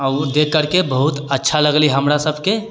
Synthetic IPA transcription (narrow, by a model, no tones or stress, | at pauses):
əʊd̪ekːəɾkebəɦut̪ətːʃʰaləɡliɦəmɾasəbʱke